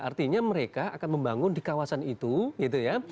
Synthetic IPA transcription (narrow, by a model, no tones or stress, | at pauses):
ʔa̰rt̪iɲaməɾekaakanməmbaŋʊndikawasanit̪uɡit̪uja